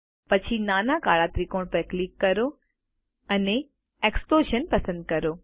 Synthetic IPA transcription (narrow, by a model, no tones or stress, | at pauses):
pɐt͡ɕʰinaːnakaːɭat̪ɾikoːɽ̃pəklikːɐɾo | ɐne | eːksploːʃənpɐsə̃nd̪̚kɐɾoː